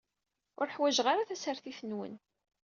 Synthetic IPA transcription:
ʊɾħwæʒʁaɾaθæsəɾθiθənwə̰n

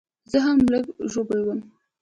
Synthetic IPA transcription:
zəɦamːləɡʒobəlwəm

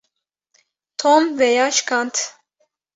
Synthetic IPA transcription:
t̪ʰɔmvɛjaʃkɑnt̪ʰ

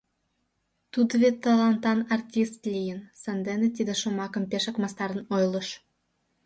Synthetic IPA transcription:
t̪ud̪βet̪ːɑlɑnt̪ɑnɑrt̪ʲist̪lʲijənsɑnd̪enet̪id̪eʃomɑkə̆mpeʃə̆kmɑst̪ɑɾənojlə̆ʃ

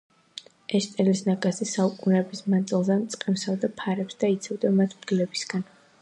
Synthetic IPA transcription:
ɛʃt̪ʼɛlisnaɡazɛsaukʼunɛbismad̪zilˠzɛmt̪sʼqʼɛmsavd̪apʰaɾɛpsd̪̥ait̪sʰavd̪amat̪ʰmɡlɛbisɡan

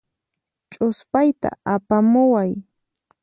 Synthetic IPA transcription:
t͡ʃʼʊspajt̪a̰apamʊwaj

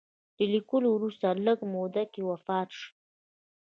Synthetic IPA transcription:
d̪̥əlikəlowɾust̪aləɡmod̪akewafɑt̪ʃ

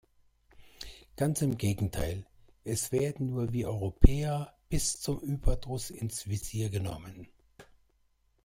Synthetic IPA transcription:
ɡ̥ant͡sɪmɡeːɡŋ̩tʰa̰ɪlʔɛsv̥eːɐdn̩nuːɐviːʔɔʏʁopʰɛːɐb̥ɪst͡sʊmʔyːbɐdʁʊsɪnsv̥ɪziːɐɡənɔ̰mən

